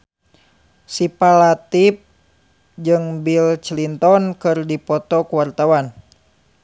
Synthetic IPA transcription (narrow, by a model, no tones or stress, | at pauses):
sipalat̪ip̚ | d͡ʒɨŋbilt͡ʃlint̪ɔnkɨrdipɔt̪ɔkuwart̪awan